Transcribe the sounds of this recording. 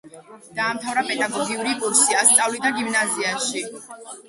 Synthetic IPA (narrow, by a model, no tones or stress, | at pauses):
d̪̥aːmt̪ʰavɾapʼɛd̪aɡɔɡiuɾikʼuɾsiast̪sʼavlid̪aɡimnaziaʃi